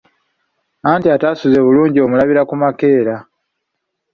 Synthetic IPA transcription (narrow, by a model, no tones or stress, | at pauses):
aːntiataːsuzeβuluːɲɟio̞mulaβiɾakumake̞ːɾa